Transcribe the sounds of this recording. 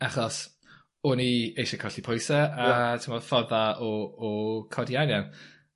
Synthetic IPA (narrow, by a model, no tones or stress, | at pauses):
aχɔs | ʊniejʃakʰɔɬipʰojsɛatʰɪmɔ̥fɔðaɔː | kʰɔdianjan